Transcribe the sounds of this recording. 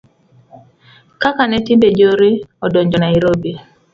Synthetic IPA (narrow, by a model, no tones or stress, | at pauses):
kakanɛtibed͡ʒoɾiɔdɔɲd͡ʒɔnaiɾobi